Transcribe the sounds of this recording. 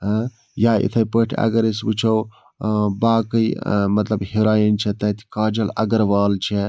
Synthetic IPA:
ɦ | jaːḭt̪ʰɐjpəʈʰɐ̰ɡɐɾisbɨt͡ʃʰɐw | baːkɐjmɐt̪lɐbhiɾaːjint͡ʃʰet̪ɐt̪ʰi̥kaːd͡ʒɐlɐ̰ɡɐɾʋaːlt͡ʃʰe

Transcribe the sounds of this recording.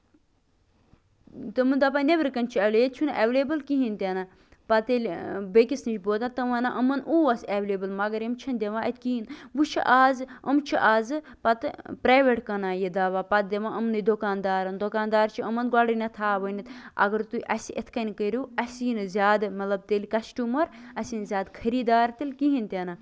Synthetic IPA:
t̪ɨmɨnd̪apɐnebəɾkɐnt͡ʃʰiɐlʲejet̪̚ʲt͡ʃʰunʔeʋlebɨlkiɦint̪ʲena | pɐt̪elʲbekisnit͡ʃʰʲboːt̪at̪ɐʋɐnaʔəmɐnʔuːʋɐseʋleːbɨlmɐɡɐɾimt͡ʃʰɐnd̪ʲeʋãːɐt̪ʲkiinʋut͡ʃʰḭʔaːzə̰mt͡ʃʰiʔaːzɨ | pɐt̪ɨpɾaːʋeʈkɐnaːjed̪aːʋaːpɐt̪̚d̪ʲeʋãːʔəmnɨd̪okaːnd̪aːɾɐnd̪okaːnd̪aːɾt͡ʃʰiəmɐnɡaɽinɐt̪ʰaːʋɐnit̪ɐ̰ɡɐɾt̪uʔɐsiʔet̪ʰkɐnʲkəɾuːɐsiːnɨzʲaːd̪mɐt̪lɐb̚t̪elʲikɐsʈʲuːmɐɾɐsinzʲjaːd̪kʰɐɾiːd̪aːɾt̪ilʲkiɦint̪ʲenaː

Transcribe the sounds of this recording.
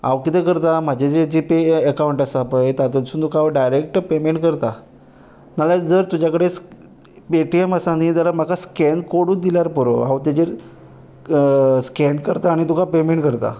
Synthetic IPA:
a̰ʋkit̪ekəɾt̪am̤ad͡ʑed͡ʑed͡ʑipeəkauɳʈasapəjt̪at̪onsuːnt̪ukʰaaʋɖajɾek̚ʈpemeɳʈkəɾt̪a | nalad͡zəɾt̪ud͡ʑakəɽes | peʈieməsaniːt̪alam̤akaskɛnkoɽuːnd̪iljaɾpəɾo̰awt̪ad͡ʑeɾ | skɛnkəɾt̪aːɽ̃it̪ukapemeɳʈkəɾt̪a̰

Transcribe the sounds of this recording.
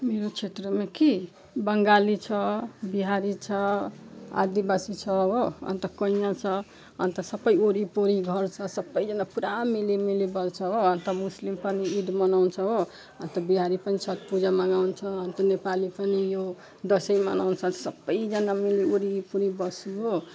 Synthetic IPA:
meɾot͡sʰet̪ɾʌmeki | bʌŋɡalit͡sʰʌbiɦaɾit͡sʰʌ | a̰d̪ibasit͡sʰʌɦoʌ̰nt̪ʌkʌnjat͡sʰʌ | ʌ̰nt̪ʌsʌbʌjoɾipoɾiɡʱʌɾt͡sʰʌsʌbːʌjd͡zʌnapuɾamelemelebʌlt͡sʰʌɦoʌnt̪ʌmuslimpʌniid̪mʌnawnt͡sʰʌɦo | ʌnt̪ʌbiɦaɾipʌnisʰʌt̪̚pud͡zamaɡawnt͡sʰʌʌnt̪ʌnepalipʌnijo | d̪ʌsʌjmʌnawnt͡sʰʌnsʌbːʌjd͡zʌnameleoɾipuɾibʌsiɦo

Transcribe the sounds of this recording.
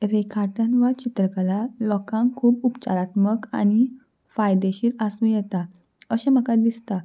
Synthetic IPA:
ɾekʰaɾʈənʋat͡ɕit̪ɾəkəlalɔkãŋkʰuːpupt͡ɕa̰ɾat̪məka̰ɽ̃i | fajd̪eɕiːɾasũjɛt̪a | əɕem̤əkad̪ist̪a

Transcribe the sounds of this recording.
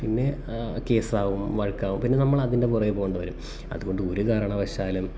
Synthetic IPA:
pinːe̞ | ke̞ːsaːʋumʋɐɻkːaːʋumpinːe̞nɐmːɐɭɐðinde̞purɐjpoːɣoɳɖɨʋɐɾum | ɐ̰ðuɣo̞ɳɖɨo̞ɾukaːɾɐːɳɐʋɐɕaːlum

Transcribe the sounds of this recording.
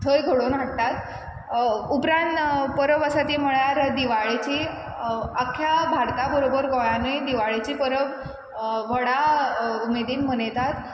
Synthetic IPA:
t̪ʰəjɡʱəɽonʋəɽt̪at̪ | upɾãɳt̪pəɾəʋəsat̪im̤əɭaɾd̪iʋaɭet͡ɕiː | əkʰːjabʱaɽt̪abəɾobəɾɡɔjaned̪iʋaɭet͡ɕiːpəɾəʋ | ʋəɽaumed̪iːnm̤ənet̪at̪

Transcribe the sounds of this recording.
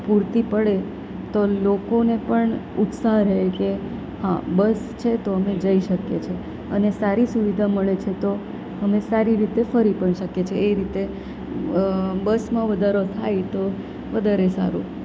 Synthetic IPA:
puɾt̪ipəɭe | t̪olokonepəɳ | ut̪saɦɾeɦeke | hã̰bəst͡ʃʰet̪oəmed͡ʒəiʃəkḛt͡ʃʰe | ənesaɾisuʋid̪ʱaməɭet͡ʃʰet̪o | əmesaɾiɾit̪efəɾipəɳʃəket͡ʃʰeːɾit̪e | bəsmãʋəd̪ʱaɾot̪ʰajt̪o | ʋəd̪ʱaɾesa̰ɾṵ̃

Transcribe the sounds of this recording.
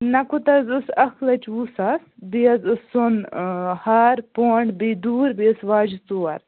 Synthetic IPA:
nɐkut̪ɐzusɐxlɐt͡ʃuːsasbijɐzusːonhaɾpoːɳɖbiːd̪uːɾbiɐsʋaːd͡ʒit̪uːɐ̰ɾ

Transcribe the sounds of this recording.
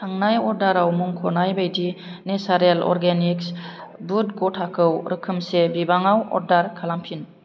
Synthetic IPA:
tʰaŋnajɔɾdaɾawmuŋkʰonajbajdinesaɾelɔ̰ɾɡeniksbutɡotʰakʰɯwɾɯkʰɯmsebibaŋawɔ̰ɾdaɾkʰalampʰin

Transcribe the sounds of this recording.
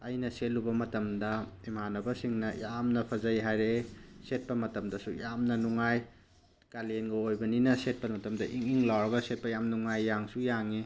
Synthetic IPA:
ɐjnɐselubɐmɐtɐmdɐimanɐbɐsiŋnɐjamnɐpʰɐzɐjɦajɾeset̚pɐmɐtɐmdɐsujamnɐnuŋaj | kalenɡɐojbɐninɐset̚pɐnmɐtɐmdɐʔiŋiŋlawɾɐɡɐset̚pɐjamnuŋajːaŋsujaŋi

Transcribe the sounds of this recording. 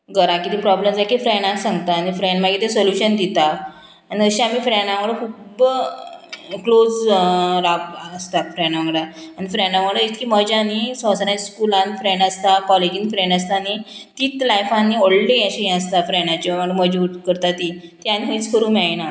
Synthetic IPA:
ɡəɾakit̪ipɾɔbləmd͡zakʰifɾenãsãŋɡt̪anifɾeɳɖmaɡit̪esoljuɕənd̪it̪a | aniəɕiamiːfɾɛɳãməɡɽəkʰub | klod͡zɾapːst̪afɾɛɳaʋəɡɽaanifɾɛɳɖaməɡɽəit̪kʰiːməd͡ʑanisɔsənajd͡ʑskulãnfɾeɳɖəst̪akɔled͡ʑinfɾẽɳɖəs̬t̪anit̪iːt̪lajfãnːioɭɖiəɕiĩəst̪afɾɛɳat͡ɕiməəməd͡ʑuuʈkəɾt̪at̪it̪ianiɦəĩt͡skʰəɾũːmaɭna

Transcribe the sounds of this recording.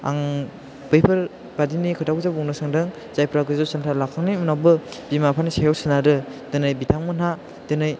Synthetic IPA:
a̰ŋ | bɯjpʰɯɾ | badinikʰɯtʰakzabuŋnɯsaŋdɯŋ | z̥ajpʰɾaɡɯzɔsantʰalakʰaŋnimɯnawbɯbimapʰanisajawsɯnaɾɯdɯnɯjbitʰaŋmɯna | dɯnɯj

